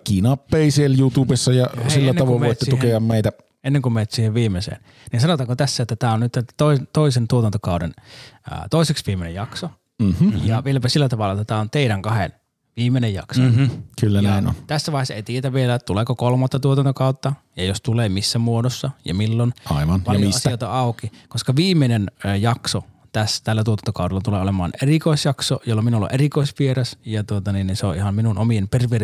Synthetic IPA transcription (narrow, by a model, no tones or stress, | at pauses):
kinɑpːeisieljut̪uːbesːɑjɑsilːænːɑʋkoˑʋmeoˑit̪ːetsiukeɑmmeit̪æ | enːeŋkumeːt̪siːheʋʋiːmːˑesḛːn | ninsɑnot̪ɑŋkot̪æsːæet̪ːæt̪æːonnyt̪ːt̪oit̪oisent̪uot̪ɑnt̪okɑˑudḛnə̰t̪oˑiseksʋiːmːenḛjɑkso | m̩hjɑʋielæpæsilːæt̪ɑʋɑlːɑet̪ːæt̪æːont̪eiɾæŋkɑhḛn | ʋiːmːˑenejjɑ̰ksokylːæjæino̰nt̪æsːæʋɑˑehesḛit̪iet̪æʋʋielæt̪uleːkokolmɑt̪ːɑt̪uot̪ɑnt̪okɑˑut̪ːɑ | jɑjost̪uleːmisːæmuodosːɑjɑ̰milːonɑiʋɑnpɑjiɑsioˑt̪ɑɑˑukikoskɑʋiːmːˑenenjɑkso | t̪æst̪ælːæt̪uot̪ɑnt̪o̥kɑˑudelːɑt̪uleːolemɑ̰ːnerikoˑisjɑksojolːɑminulːo̰ʔerikoˑisʋierɑsjɑt̪uot̪ɑninninseoʔihɑmminunomiemperʋeː